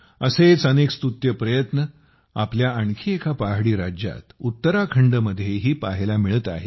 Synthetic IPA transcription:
əset͡sənekst̪ut̪jəpɾəjət̪nə | apljaəɳkʰiːekʰapaɦɽiːɾad͡ʑja̰t̪ut̪ːəɾakʰəɳɖəməd̪ʱːjeɦiːpaɦelamiɭət̪a̰ɦḛ

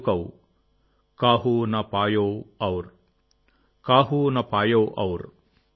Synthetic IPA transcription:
kɐw | kaːɦunɐpaːjowɐwɾ | kaːɦunɐpaːjowʔɐwɾ

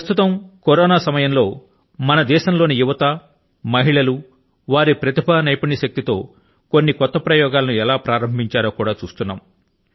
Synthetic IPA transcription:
ɐst̪ut̪ɐmkoɾɔːnaːsɐmɐjɐmlo̞ː | mɐnɐd̪ɛːʃɐmlo̞ːnijuʋɐt̪ɐ | mɐɦiɭɐlu | ʋaːɾipɾɐt̪ibʱɐnɐjpɐɳiʃɐk̚t̪it̪o̞ː | ko̞nːikɔt̪ːɐpɾɐjɔːɡaːlɐnuɛlaːpɾaːɾɐmbʱiɲt͡ʃaːɾoːkuːɽaːt͡ʃṵːst̪unːa̰ːm

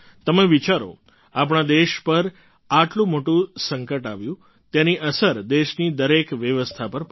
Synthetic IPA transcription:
t̪əmeʋit͡ʃaɾo̰ | ap̬ɳ̃ad̪eʃpəɾ | aʈlũmoʈũsəŋkəʈaʋjũ | t̪janiʔəsəɾd̪eʃnid̪əɾekʋjəʋəst̪ʰapəɾp

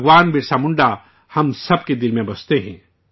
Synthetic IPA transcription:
ɡʋaːnbʱɪɾsaːmʊ̃ɳɖa | hɐmsɐbked̪ɪlmẽbɐst̪eɦɛ̰̃ː

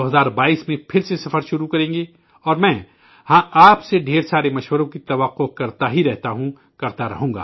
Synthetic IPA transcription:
oɦɐzaːɾbaːiːsmẽpʰɪɾsesɐfəɾʃʊɾukɐɾẽːŋɡe | ɔːɾmɛ̃ː | hãːaːpseɖʱeːɾsaːɾemɐʃʋəɾõkit̪ɐʋəqːokɐɾt̪aɦiɾɛɦt̪aɦũ | kɐɾt̪aɾɐ̰ɦũːŋɡa̰ː

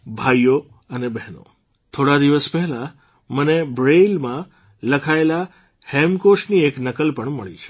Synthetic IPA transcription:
bʱajo | ənebɛɦno̰ | t̪ʰoɽad̪iʋəspɛɦla | mənebɾelmã | ləkʰaela | hemkoʃnieknəkəlpəɳmə̰ɭḭt͡ʃʰe̥

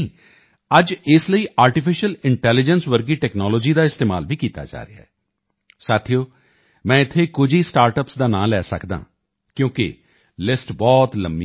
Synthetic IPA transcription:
əd͡ʒɪsləiːʔaːɾʈɪpʰɪʃəlɪɳʈɛːlɪd͡ʒənsʋəɾɡiːʈɛːknɔːlɔːd͡ʒiːd̪aːɪst̪eːmaːlʋiːkiːt̪a̰ːd͡ʒa̰ːɾḛa̰ɦː | saːt̪ʰijoː | mɛ̃ːɪt̪ʰːeːkʊd͡ʒʱiːsʈaːɾʈəpsd̪aːnã̰ːlɛːsə̰kd̪ã̰ː | kjõːkɪ̰ | lɪsʈbɔːt̪ləmːiː

